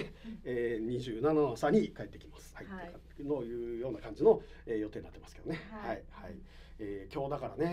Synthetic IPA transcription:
eːɲ̟iʑɨːnananosaɲ̟ikae̞t̪ːe̞kʲi̥masɨ̥hai | nojɯ̟ːjo̞ːnakãɲ̟d͡ʑino̞ | eːjo̞t̪e̞ːɲinat̪ːemasɨ̥keone̞haihai | eːkʲo̞ːd̪akaɾa̰ne

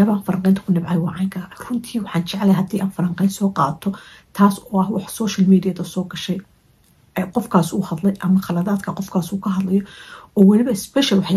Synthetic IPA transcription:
ɐβaːnfɐɾɐŋqɛjnt̪ʰɐ̥kʰʊnɪbʕɑjwɑʕɑːŋkʰɐrʊnt̪ʰiːwɑħɑːnt͡ʃɛʕlɛjɦɐd̪iːʔaːnfɐɾɐɴqɛjnsɔːqɑːt̪ʰɔ | t̪ʰaːsɔɐhwɑħsɔːʃɐlmiːd̪ijɐðɐsɔːɡɐʃɛj | ɛqɔfkʰaːsuːhɐd̪lɛjʔɐmɐχɑlɐðaːd̪kʰɐqɔfkʰaːsuːkʰɐɦɐd̪lɐjɔɔːwɑlɪβɐɪspɛʃɐlwɑħ

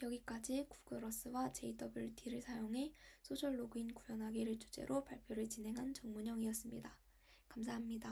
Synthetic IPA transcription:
jʌɡik͈ad͡ʑiku̥k͈ɯɾʌs͈ɯwat͡ɕe̞idʰʌbɯɭtiɾɯɭsʰajoŋɦe̞sʰod͡ʑʰʌɭːoɡuinkujʌnɦaɡiɾɯɭt͡ɕ͈ʰu̥d͡ʑe̞̰ɾʔopaɭpʰjoɾɯɭt͡ɕine̞ŋɦant͡ɕʌŋmuɲʌŋiʌs͈ɯmɲḭda | kamsʰaɦamɲida

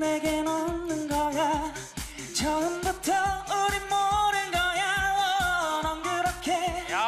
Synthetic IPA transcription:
meɡenʌnɯnɡʌja | t͡ɕʰʌɯmbutʰʌoɾimːoɾɯnɡʌjaʌnʌnɡɯɾʌkʰe

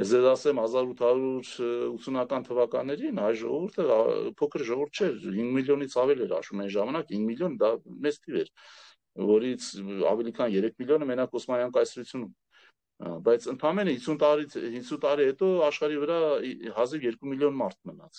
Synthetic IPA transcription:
ɛd͡zɛzɑsɛmhɑzɑɾut̪ʰɑɾuɾut̪t͡ssʰunɑkɑnt̪ʰəvɑkɑnːɛɾinhɑjʒɔ̰ʁɔvuɾt̪ʰə̰pʰɔkʰəɾʒɔvuɾt̪̚ʰt͡ʃʰɛɾhiŋɡmiljɔnit͡sʰɑvɛlɛɾɑ̰ʃumɛjnʒɑmɑnɑkʰhiŋɡmiljɔnd̪ɑmɛt͡st̪ʰivɛ̰ɾ | vɔɾit͡sʰɑ̰vɛlikʰɑnjɛɾɛkʰmiljɔnəmɛnɑkɔsmɑjɑŋkɑjsɾut͡sʰjunum | bɑjt͡sʰənt̪ʰɑmɛnəhisʰunt̪ɑɾihisʰunt̪ɑɾihɛt̪ɔɑʃχɑɾivəɾɑhɑzivjɛɾkumiljɔnmɑɾt̪̚ʰmənɑt͡sʰ

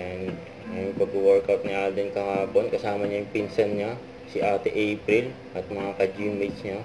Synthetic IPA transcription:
ʔɛn | ɐjʊŋpɐɡʊwɛɹkawt̪̚nɪʔaːd̪ɪnkɐhaːponkɐsaːmɐɲajʊŋpinsɐnɲa | siʔaːt̪ɛʔejpɾil | ʔɐt̪̚mɐŋakɐd͡ʒimɛt͡ʃɲa

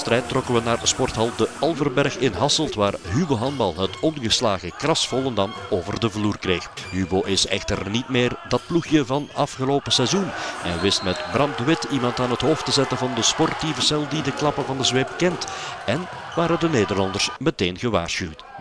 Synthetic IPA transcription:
st̪rɛjtːrɔkənʋənaːrspɔrtɦɑlˠdəɑlˠvərbɛrxɪnɦɑsəlˠtʋaːrɦyboɦɑndbɑlˠɦətɔnɣəslaːɣəkrɑsfɔlˠəndɑnoːvərdəvluːrkreːxɦyːboːʔɪsɛ̰xtərnitmeːrdɑt̚pluxjəvɑnɑfχəloːpəsɛzunɛ̰nʋɪstmɛtbrɑm̚dəʋɪtimɑntaːnɦətɦoːftəzɛtənvɑndəspɔrtivəsɛlˠdidəklɑpəvɑndəzʋeːpkɛnt | ɛn | ʋaːɾədəneːdərlɑndərsməteːnɣəʋa̰ːrsywt

